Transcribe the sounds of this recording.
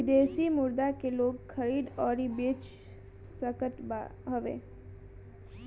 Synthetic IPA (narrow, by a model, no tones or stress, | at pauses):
ɪd̪eːsimʊɾd̪akeloːɡxʰəɾiːd̪ɔːɾibeːt͡ʃ | səkət̪ba̰ɦəʋḛː